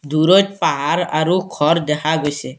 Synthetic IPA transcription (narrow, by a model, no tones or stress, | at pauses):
d̪uɾot̚paɦaɾaɾukʰɔɾd̪ɛkʰaɡojse